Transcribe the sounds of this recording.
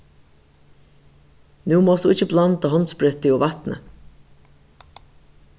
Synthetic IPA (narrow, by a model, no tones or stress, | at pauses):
nuːmɔːst̪uɪçt͡ʃːəblant̪aɦɔnspɾʏt̪ɪɔvat̪nə̰